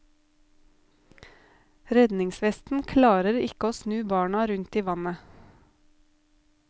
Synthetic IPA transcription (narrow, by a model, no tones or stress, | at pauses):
ɾɛd̪nɪŋsʋɛst̪n̩kʰlɑːɾəɾɪkəoːsnʉːbɑːɳɑɾʉnt̪iːʋɑnə